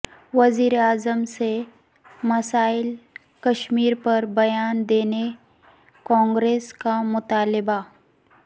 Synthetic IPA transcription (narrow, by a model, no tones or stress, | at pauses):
ʋɐziːɾeaːzəmse | mɐsaːɪl | kɐʃmiːɾpɐɾbɐjaːnd̪eːne | kɔ̃ːŋɡɾeːskamʊt̪aːlɪba